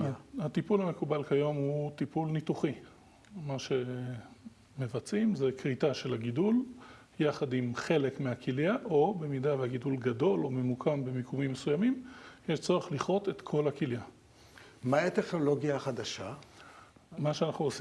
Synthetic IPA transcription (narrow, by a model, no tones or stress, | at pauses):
hat̪ipulame̞kubalkajo̞mhut̪ipulnit̪uχi | maʃe̞ | me̞vat͡simzekʁitaʃe̞laɡidul | jaχadimχe̞le̞kmeakiljaʔo̞be̞midaveaɡidulɡado̞lo̞me̞mukʰambe̞mikumimːesujamimjeʃt͡so̞ʁeχliχʁo̞t̪e̞t̪kʰo̞lhakilja | maiat̪eχnoloɡjaχad̪aʃa | maʃeanaχnuos